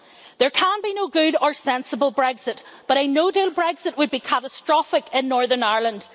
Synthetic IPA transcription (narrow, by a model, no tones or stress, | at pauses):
ðə˞kʰə̃nbinoʊɡʉɾə˞sɛ̃nsəbəlˠbɹɛɡz̥ɪtb̥ʌɾənoʊdelˠbɹɛɡz̥ɨʔ̚wəd̚bikʰaɾəstɹ̥ɔfɪkɪ̃nːɔɹðə̃˞naɹlˠə̃nd̥